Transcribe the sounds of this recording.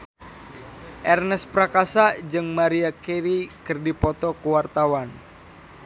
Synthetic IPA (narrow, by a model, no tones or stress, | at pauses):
ʔɛrnɛspɾakasad͡ʒɨŋmaɾiakɛɾikɨrdipɔt̪ɔkuwart̪awan